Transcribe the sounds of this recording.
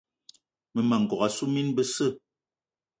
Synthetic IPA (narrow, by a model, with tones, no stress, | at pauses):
mə˨ma˨ŋ˨ɡɔ˨ɣa˨su˦mi˦nbə˦sə˦˨